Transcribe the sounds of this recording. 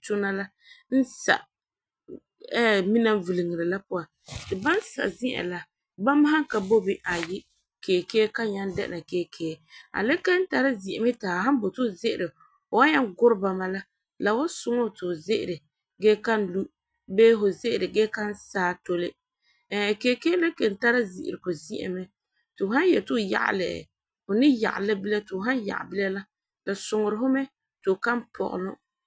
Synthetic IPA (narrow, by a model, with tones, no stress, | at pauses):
tʊ˦na˦la˦ | n̩˦sa̰˨ʔ | ɛ˦mi˦na˦m˦vɨ˨li˨ŋɪ˨ɾɪ˨la˦pʊ˦a˨ | tɪ˨ba˦n˦sa̰˨ʔzɪ˦ʔa̰˨la˨ | ba˦ma˦ɦa˦ŋka˨bo˦bi˦ʔa˨jɪ˦ | keː˨keː˦ka˦ɲa˦n˦dɛ̰˦ʔna˨keː˦kʰeː˦a̰˨le˦ka˦n̩˦ta˨ɾɪ˦zi˨ɛ˨mɪ˦taː˨ha˦m˦bo˨tʊ˦˨zɪ˦ʔɪ˦˨ɾɪ˨ | o˨wa˦ɲa˦ŋɡʊ˦ɾɪ˦ba˨ma˨la˦ | la˨wa˦sʊ˦ŋo˦˨tɪ˨zɪ˦ʔɪ̰˨ɾɪ˨ | ɡɛː˦ka˦n˦lu˦ʔ | beː˦ɦʊ˨zɪ˦ʔɪ˨ɾɪ˨ɡɛː˦ka˦nsaː˦to˦lɪ˦˨ | keː˨˦keː˦le˦ke˨n˨ta˦ɾa˦zḭ˨ʔɪ̰˨ɾɪ˨kʊ˨zi˦ʔa̰˨mɛ˦ | tɪ˨ʊ˨ha˦n˦jɛ˨tʊ˦˨ja̰˨ʔa̰˨lɪ˨ʔ | hʊ˨nɪ˦ja̰˨ʔa̰˨la˦bɪ˦la˦tɪ˨ɦa˦nja̰˨ʔa̰˨bɪ˦la˦la˦ | la˨sʊ˨ŋʊ˨ɾɪ˨hʊ˦mɛ˦ | tʊ˨ʊ˨ka˦n˦pʰɔ̰˨ɣʊ̰˨lʊ̰˦